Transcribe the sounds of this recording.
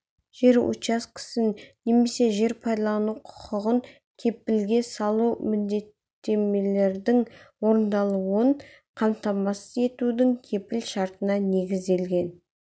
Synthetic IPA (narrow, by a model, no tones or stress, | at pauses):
ʒ̥e̞ɾṵt͡ʃɑskʲʰɪ̥sɪnnːe̞me̞se̞ʒe̞ɾpʰɑjd̪ɑlˠɑnuqʰʊ̥qʰəʁəŋ | kʲʰe̞p̚ːɪlɡʲe̞sɑlˠuwmʏnd̪e̞t̪ːe̞me̞le̞ɾd̪ɪŋwo̞ɾənd̪ɑlˠuəɴ | qʰɑmt̪ɑmɑsəze̞t̪ud̪ɪŋkʲʰe̞pɪlʃɑɾt̪ənɑne̞ɡʲɪzd̪e̞lɡʲe̞n